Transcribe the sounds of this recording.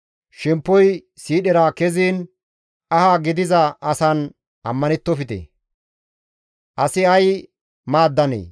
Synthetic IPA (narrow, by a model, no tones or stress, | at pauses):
ʃɛmpːɔj | siːɗɛɾaːkɛziːn | ɐhaːɡɪd̪ɪzɐɐsɐn | ʔɐmːɐnɛt̪ːɔfɪt̪ɛ̰ | ʔɐsɪɐj | maːd̪ːɐnḛː